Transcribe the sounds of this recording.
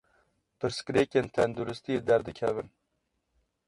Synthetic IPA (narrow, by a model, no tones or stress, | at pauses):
pɨɾskɾeːkʲent̪ʰænd̪uɾɨst̪ied̪æɾd̪ɨkʲʰɛvɨn